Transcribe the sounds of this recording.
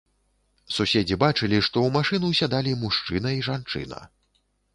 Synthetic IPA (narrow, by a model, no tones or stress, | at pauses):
susʲed͡zʲibat͡ʂɨlʲiʂt̪ɔumaʂɨnuwsʲad̪alʲimuʂt͡ʂɨnɐiʐant͡ʂɨ̰nɐ̰